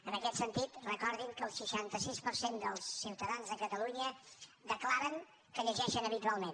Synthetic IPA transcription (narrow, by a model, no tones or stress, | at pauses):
ənəkɛt̪sənt̪it̪rəkɔɾðimkəːlˠsəʃant̪əsispəɾsend̪əlˠsːiwt̪əðanzðəkət̪əluɲəd̪əklaɾəŋ | kəʎəʒɛʃənəβ̞it̪ualˠmen